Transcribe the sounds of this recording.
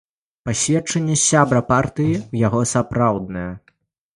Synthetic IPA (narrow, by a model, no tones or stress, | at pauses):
pasʲvʲɛt͡ʂɐnʲːɛsʲabɾɐpart̪ɨjiwjaɣɔsapɾawd̪̚nɐjɐ